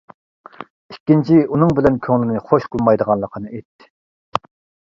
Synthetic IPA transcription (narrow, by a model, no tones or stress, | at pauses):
ikʲːint͡ʃʰiunɨŋbɪlɛnkʲʰøŋlɪnɨχoʃqʰəlˠmɑjd̪əʁɑnlˠəqʰənɨet̪ːɪ̥